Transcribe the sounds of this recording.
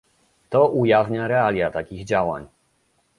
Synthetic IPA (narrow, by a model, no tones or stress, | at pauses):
t̪ɔʔujavɲaɾɛalʲjat̪akʲiɣd͡ʑawa̰ɲ